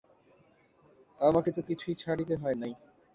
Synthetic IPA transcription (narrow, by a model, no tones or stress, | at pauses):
amaket̪ukit͡ɕʰuijt͡ɕʰaɽit̪eɦɔenaj